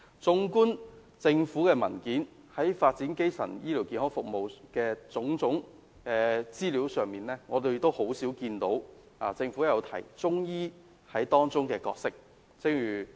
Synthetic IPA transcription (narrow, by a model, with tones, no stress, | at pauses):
t͡sʊ˥ŋkuː˥n | t͡sɪ˧ŋfuː˨˥kɛː˧mɐ˨˩nkiː˨˥n | hɐ˨˥jfaː˧t̚t͡siː˨˥nke˥jsɐ̰˨˩njiː˥liː˨˩wkiː˧nhɔː˨˥fʊ˨k̚mo˨wkɛː˧t͡sʊ˨˥ŋt͡sʊ˨˥ŋ | kɛː˧t͡siː˥liː˨˥wsœː˨ŋmiː˨nlɛː˥ŋɔː˨˧t̪e˧jt̪o˥who˨˥wsiː˨˥wkiː˧nt̪o˨˥w | aː˨t͡sɪ˧ŋfuː˨˥jɐ˨˧wt̪ʰɐ̰˨˩jt͡sʊ˥ŋjiː˥ | hɐ˨˥jt̪ɔː˥ŋt͡sʊ˥ŋkɛː˧kɔ̰ː˧k̚sɪ˥k̚ | t͡sɪ˥kjyː˨˩